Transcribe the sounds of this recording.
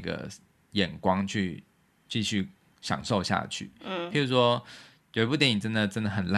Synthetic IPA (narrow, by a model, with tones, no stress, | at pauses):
ɡə̰˨˩ | jɛ˨˩nkwɑ˥ŋt͡ɕʰy˥˧ | t͡ɕi˥˧ɕy˥˩ | ɕjɑ̰˨˩ŋʂo˥˧ʊɕja̰˥˧t͡ɕʰy̰˥˩i˨˩ɻu˧˥ʂwɔ˥ | jo˨˩i˧p̬u˥˩t̪jɛ˨˦ni˨˩ʈ͡ʂə˥nd̪ə˨ʈ͡ʂə˥nd̪ə˨˩xə˨˩nla˥˩